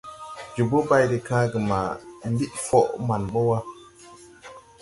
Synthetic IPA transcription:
d͡ʒu˨bo˦ba˦jɾi˨kãː˦ɡi˨ma˨mbi˦ʔfo˦˨ʔma˨nɓo˦wa˦

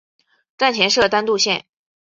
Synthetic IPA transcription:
ʈ͡ʂa˥˩nt͡ɕʰjɛ˧˥nʂɤ˥˩t̪a˥nt̪u˥˧ɕjɛ̰˥˩n

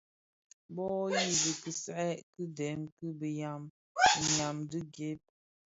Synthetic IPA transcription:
bɔ˦ji˦˨bə˨kɨ˨sɛ˦ʔkɨ˦dɛ˨˦mkɨ˦bə˨ja˨m˨ | ɲa˨mdɨ˦ɡe˦p̚

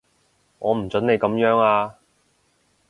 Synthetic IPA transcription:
ŋɔː˨˧m̩˨˩t͡sɵ˨˥nne˨˧jkɐ˨˧˥mjœː˨˥ŋaː˧

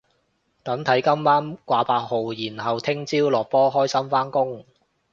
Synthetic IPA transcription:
t̪ɐ˨˥ŋt̪ʰɐ˨˥jkɐ˥mːaː˥mkʷaː˨˧paː˧k̚ho˨wjiː˨˩nɦɐ˨wt̪ʰɪ˥ŋt͡siː˥wlɔː˨k̚pɔː˥ɦɔː˥jsɐ˥mfaː˥nkʊ˥ŋ

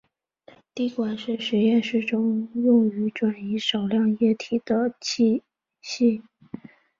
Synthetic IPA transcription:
t̪i˥˩kwa˨˩nʂɻ̩˥˩ʂɻ̩˧˥jɛ˥˧nʂɻ̩˥˩ʈ͡ʂʊ˥ŋjʊ˥˩ŋy˧˥ʈ͡ʂwa˨˩ni˧˥ʂɑ˨˩ʊljɑ˥˧ŋjɛ˥˩t̪ʰi˨˩d̪̥ə˦t͡ɕʰi˥˧ | ɕi˥˩

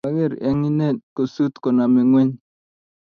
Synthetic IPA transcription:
a˦ɡɛ˦˨ɾɛ̰˦ŋi˦ne˦˨ko˨su˦t̪kɔ˨na˨mɛ˨ŋwɛ˦ɲ

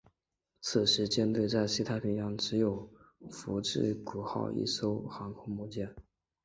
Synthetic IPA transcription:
t͡s̩ʰ˨˩ʂɻ̩˧˥t͡ɕjɛ˥nt̪we˥˧ɪt͡sa˥˧ɪsi˥˩t̪ʰa˥˩pʰi˧˥ŋjɑ˧˩ŋʈ͡ʂɻ̩˧˥jo˨˩ʊfu˧˥ʈ͡ʂɻ̩˥˩ku˨˩xɑ̰˥˧ʊḭ˥˩ʂo˥ʊxɑ˧˥ŋkʰʊ˥ŋmu˥˧t͡ɕjɛ˥˩n

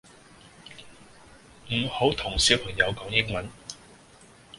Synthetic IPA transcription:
m̩˨˩ho˨˥wt̪ʰʊ˨˩ŋsiː˨˥wpʰɐ˨˩ŋjɐ˨˧wkɔː˨˥ŋjɪ˥ŋmɐ˨˥n

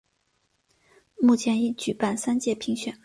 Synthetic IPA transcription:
mu˥˩t͡ɕʰjɛ˧˥ni˥˩t͡ɕy˨˩pa˥˩nsa˥nt͡ɕjɛ˥˩pʰi˧˥ŋɕɥɛ̰˨˩˦n

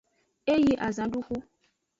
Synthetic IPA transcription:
e˦ji˦ʔa˨zã˨ɖu˦xu˦

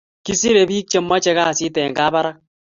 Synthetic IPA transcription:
ki˦si˦ɾe˨biː˦k̚t͡ʃe˦mːa˦t͡ʃɛ˦ka˦˨si˦tɛ˨ŋɡaː˦ba˦ɾa˦k̚

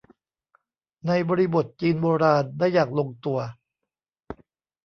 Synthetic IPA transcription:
na˧jbɔː˧ɾi˦˧bo˨˩t̪̚t͡ɕiː˧nboː˧ɾaː˧ndaː˥˩jːaː˨˩k̚lo˧ŋt̪u˧ɐ

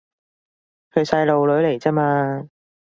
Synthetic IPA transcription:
kʰɵ˨˧ɥsɐ˧jlo˨wlɵ˨˥ɥle˨˩jt͡sɛː˥maː˧

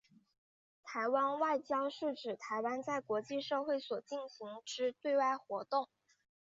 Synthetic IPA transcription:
t̪ʰa˧˥ɪwa˥nwa˥˩ɪt͡ɕjɑ˥ʊʂɻ̩˥˩ʈ͡ʂɻ̩˨˩t̪ʰa˧˥ɪwa˥nt͡sa˥˩ɪkwɔ˧˥t͡ɕi˥˧ʂɤ˥˧xwe˥˩ɪswɔ˨˩t͡ɕi˥˩nɕi˧˥ŋʈ͡ʂɻ̩˥t̪we˥˧ɪwa˥˩ɪxwɔ˧˥t̪ʊ˥˩ŋ

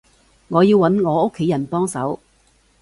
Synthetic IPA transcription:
ŋɔː˨˧jiː˧wːɐ˨˥nŋɔː˨˧o˥kʰːe˨˥jɐ˨˩npɔː˥ŋsɐ˨˥w

